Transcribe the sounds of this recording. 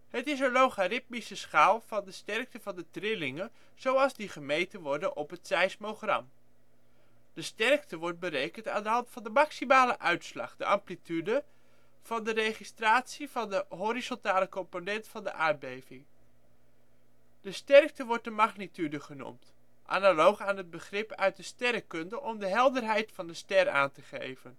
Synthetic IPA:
ɦətɪsənlowχarɪt̚misəsχaːlˠv̥ɑndəstɛrk̚təvɑndətrɪlɪŋən | z̥owɑlˠzdiχəmejtənʋɔɹdənʔɔpɦətsɛjsmoχrɑ̰m | d̥əstɛrktəʋɔɹt̚bəɾejkəntaːndəɦɑntfɑndəmɑksimaːləʔœɥtslɑ̰χdə̰ʔɑmplitydə | v̥ɑndərejχistraːtsivɑndəɦoɾizɔntaːləkɔmponɛntfɑndə̰ʔaːɹ̚bejvɪŋ | d̥əstɛrk̚təʋɔɹt̚dəmɑχnitydəχənṵmt | ʔa̰nalowχaːnɦəd̚bəχrɪpœ̰ɥt̚dəstɛɾəkɵndəʔɔmdəɦɛlˠdərɦɛjtfɑndəstɛra̰ːntəχḛjvən

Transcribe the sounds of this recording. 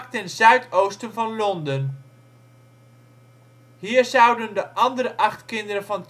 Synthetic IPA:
ktɛnzœɥtʰowstənvɑnlɔndən | hiːɹzɑwdəndəʔɑndərəʔɑχtkɪndəɾənvɑnt

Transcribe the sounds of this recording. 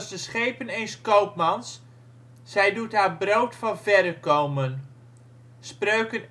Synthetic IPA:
zdəsχejpənejnskowpmɑnsː | ɛjdutɦaːɹbrowtfɑnvɛdəkowmən | sprøɥkən

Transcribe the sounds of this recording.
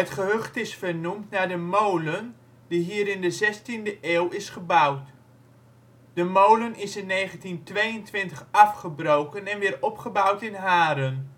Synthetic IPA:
ɦətχəɦøχtɪsfərnumtnaɹdəmowlən | d̥iɦiːɾɪndəzɛstindəʔeːlɪsχəbawt | d̥əmowlənɪsɪnːejχəntintʋejəntʋɪntəχɑfχəbrowkənɛnʋɪːɹɔpχəbawtɪnɦaːɾən

